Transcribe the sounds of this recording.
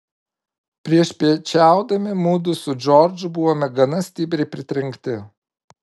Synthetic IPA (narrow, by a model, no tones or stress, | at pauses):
pʲɾʲiɛʃpʲiɛt͡ʃʲæˑʊd̪ɐmʲɪmuːd̪ʊsʊd͡ʒɔɾʲd͡ʒʲʊbʊʋoːmʲɛɡɐnɐsʲt̪ʲɪbʲɾʲɛɪpʲɾʲɪt̪ʲɾʲɪŋkt̪ʲɪ